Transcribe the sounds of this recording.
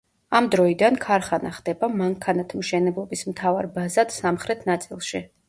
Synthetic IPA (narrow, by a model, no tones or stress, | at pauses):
amd̪ɾɔid̪ankʰaɾχanaχd̪̥ɛbamaŋkʰanat̪ʰmʃɛnɛblˠɔbismt̪ʰavaɾbazad̪̥samχɾɛt̪ʰnat̪sʼilˠʃi